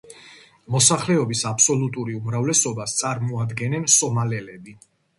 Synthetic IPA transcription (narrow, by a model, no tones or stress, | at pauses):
mɔsaχlɛɔbisapʰsɔlut̪ʼuɾiumɾavlɛsɔbast̪sʼaɾmɔad̪ɡɛnɛnsɔmalɛlɛbi